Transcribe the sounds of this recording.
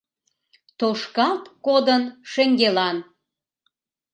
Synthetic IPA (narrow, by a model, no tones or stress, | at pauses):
t̪oʃkɑlt̪kod̪ənʃeŋɡelɑn